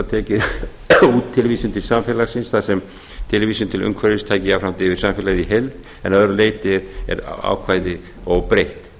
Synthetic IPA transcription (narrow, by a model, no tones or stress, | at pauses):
at̪ʰɛːcɪ | uːt̪ʰːɪlviːsʏmt̪ʰɪlsamfɪlasɪnsθaðsɛm | t̪ʰɪlviːsʏmt̪ʰɪlʏ̰ŋkʰvaɾɪst̪ʰaːjcɪawfɾawmt̪ɪvɪɾsamfɪlaɣðiɦelt̪ | ɛnœðɾʏleːjt̪ɪɛɾɛ̰ɾa̰ːwkʰvaːjðɪ | ɔɣpɾejht̪